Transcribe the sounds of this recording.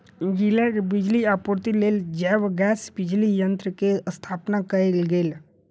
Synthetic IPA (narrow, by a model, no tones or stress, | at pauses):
ɡilɛkbɪd͡ʒliaːpoɾt̪ileːld͡ʒɛːʋɡɛːsbɪd͡ʒlijənt̪ɾəkest̪ʰaːpnakəɾelɡeːl